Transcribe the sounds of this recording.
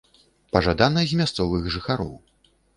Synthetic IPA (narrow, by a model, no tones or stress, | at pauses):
pɐʐad̪anɐzʲmʲast̪sɔvɨɣʐɨxaɾɔ̰w